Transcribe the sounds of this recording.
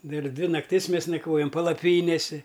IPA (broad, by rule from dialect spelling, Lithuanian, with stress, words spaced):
ˈdɐr ˈdʲʋʲɪ nɐkˈtʲɪs ˈmʲeːs nɐkˈʋoːjɛm pɐlˠɐˈpʲiːnʲeːsʲɪ